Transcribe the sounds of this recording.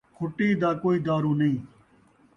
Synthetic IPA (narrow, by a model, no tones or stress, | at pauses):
kʰʊʈiːd̪aːkoːiːd̪aːɾuːnəĩː